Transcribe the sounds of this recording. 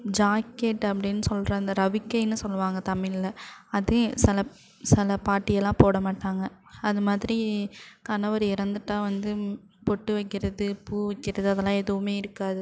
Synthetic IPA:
d͡ʒaːkːeʈːɐpːɐɽɪnːɯsɔlɾɐɪnd̪ɐɾɐʋɪkːɐɪnːɯsɔlːɯʋaːŋɡɐt̪ɐmɪlɪlɐɐðɯsɪlɐ | sɛlɐpaːʈːɪjɐlːãːpoːɽɐmaːʈːaːŋɡɐ | ɐðɯmaːðɪɾikɐnɐʋɐɾɪɾɐnd̪ɯʈːaːʋɐnd̪ɯ | pɔʈːɯʋɐɪkːɪɾɐðɯpuːʋɐɪkːɪɾɐðɯɐðɐlːãːɛðɯʋɯmeːɪɾɯkːaːðɯ

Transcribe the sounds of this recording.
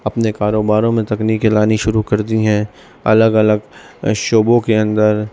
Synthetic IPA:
ɐpnekaːɾoːbaːɾõmẽt̪ɐkniːkelaːniʃʊɾukɐɾd̪iɦɛ̃ː | ɐ̰ləɡɐləɡ | ʃoːbõkeɐ̃nd̪əɾ

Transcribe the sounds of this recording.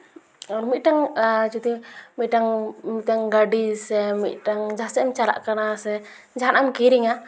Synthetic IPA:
ɾumidaŋat͡ʃut̪imidaŋmitaŋɡadisɛmḭdaŋd͡ʒasɛmt͡ʃala̰ʔkənasɛ | ɲd͡ʒaanamkiɾiŋa

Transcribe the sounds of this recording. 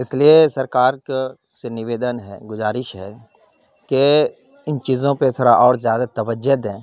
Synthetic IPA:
ɪsliesɐɾkaːɾk | sɪnɪʋeːd̪ənɦɛ̰ɡʊzaːɾɪʃɦɛː | ke | ɪnt͡ʃiːzõpet̪ʰoːɾaʔɔːɾzjaːd̪at̪ɐʋəd͡ʒəd̪ɦɛ̃ː

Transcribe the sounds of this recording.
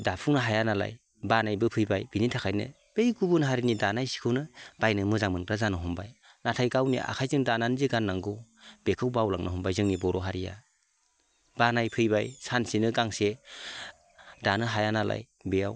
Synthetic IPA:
dapʰuŋnaɦajanala̰j | banajbɯpʰɯjbajbinitʰakʰajnɯ̰ | b̥ejɡubunɦaɾinidanajsi̥kʰɯwnɯb̥ajnɯmɯzaŋmɯnkɾazanɯɦɔmbaj | natʰajɡawnḭʔa̰kʰajzɯŋdananziɡanːaŋɡɯb̥ekʰɯwbawlaŋnʔɯ̰ɦɔmbajzɯŋnibɔɾɔɦaɾija̰ | banajpʰɯjbajsansinɯɡaŋse | danɯɦajanalʔa̰j | bejaw

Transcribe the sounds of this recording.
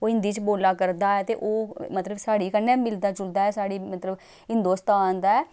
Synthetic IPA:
oːɦɪ̃nd̪iːt͡ʃboːlaːkəɾd̪aːɛːt̪eːʔoːmət̪ləbsaːɽiːkənːɛ̃ːmɪld̪aːt͡ʃʊld̪aːɛːsaːɽiːmət̪ləb | ɦɪ̃nd̪oːst̪aːnd̪aːɛː

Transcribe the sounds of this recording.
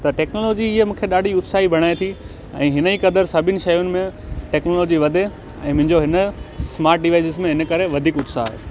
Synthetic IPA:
t̪ɐʈɛːknoːloːd͡ʑiiemũːkʰeɗaːɖ̤ʱiʊt̪saːɦibʱɐɽ̃aːet̪ʰi | ɛ̰̃ːɦɪnəikɐd̪əɾsɐbʱɪnɪ̆ʃɐjʊnɪ̆mẽʈɛːknoːloːd͡ʑiʋɐd̪ʱe | ɛ̃ːmʊ̃ɦɪ̃ɲd͡ʑoɦɪnəsmaːɾʈ̚ɖɪʋaːɪsɪzmẽɦɪnəkɐɾeʋɐd̪ʱiːkʊt̪saːɦḛː

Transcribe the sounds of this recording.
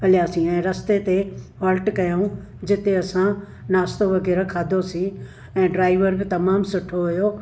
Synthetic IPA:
ɐljaːsĩɛ̃ːɾɐst̪et̪eɦɐːlʈkɐjaũ | d͡ʑɪt̪eɐsã | naːst̪oʋɐɣɛːɾakʰaːd̪ʱosĩ | ɛ̃ːɖɾaːɪʋəɾbɪt̪ɐmaːmsʊʈʰːoɦʊjo

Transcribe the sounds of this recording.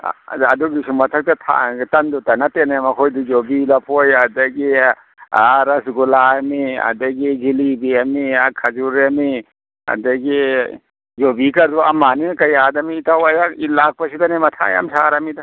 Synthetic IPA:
ɐduɡisuŋmɐtʰɐk̚tɐtʰa̰tɐndutɐnɐtenamɐkʰojdid͡ʒobilɐpʰojɐdɐɡi | aɾɐsɡulaɐmiɐ̰dɐɡid͡ʒilibiamiakʰad͡ʒuɾami | ɐ̰dɐɡi | d͡ʒobikɐɾd̪uɐmanikɐjadɐmiːtawajailak̚pɐsidanemɐtʰa̰ja̰msaɾamidɐ

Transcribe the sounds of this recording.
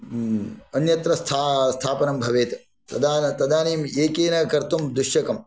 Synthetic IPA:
ɐnjɐt̪ɾɐst̪ʰaːst̪ʰaːpɐnɐmbʱɐʋeːt̪ | t̪ɐd̪aːnt̪ɐd̪aːneːmeːkeːnɐkɐɾt̪umd̪ɾuʃjɐkɐm

